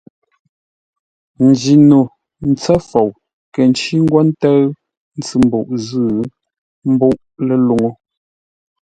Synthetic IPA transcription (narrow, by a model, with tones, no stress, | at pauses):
n̩˨d͡ʒi˨nu˨ | n̩˨t͡sɛ˦fo˨w | kɛ˨n˨t͡ʃi˦ŋ̩˦ɡwɔ˦n̩˦tə˦ | n̩˦t͡sɨ˨m̩˦bṵ˦˨ʔzɨː˦˨˦ | m̩˦bu˦ʔle˨lu˨ŋo˨